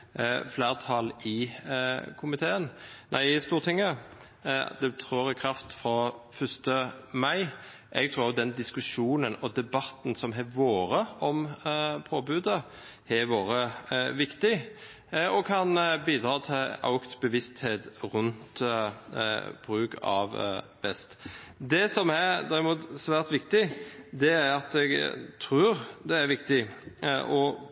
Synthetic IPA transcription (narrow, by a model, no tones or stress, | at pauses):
flæːʁt̪ʰɑlɪ | kʰʊmɪt̪ʰeːənnʔæ̰ɪst̪uːʁt̪ʰɪŋːə | d̪̥ɛt̪ʰɾuːɾɪkʰɾɑft̪fɾɑfœst̪əmæɪ | ʔɛɡ̚t̪ʰɾʉːʁʊd̪ɛnd̪ɪskʉʂuːnənɔd̪ɛbɑt̪ːn̩sɔmɦɛʋoːɾəɔmpʰoːbʉːd̪ə | ɛʋoːɾəʋɪkt̪ɪ | ɔkʰɑnbiːd̪ɾɑːt̪ʰɪlɑ̰ʊkt̪bəʋɪst̪heːt̪ɾʉnt̪ | b̥ɾʉːkɑ̰ʋ | bɛst̪d̪ɛsɔmɛd̪æɾɪmuːt̪sʋæːʁt̪ʋɪkt̪ɪd̪ɛæɾɑt̪ɛɡt̪ʰɾʉːɾd̪ɛæɾʋɪkt̪ɪʔɔ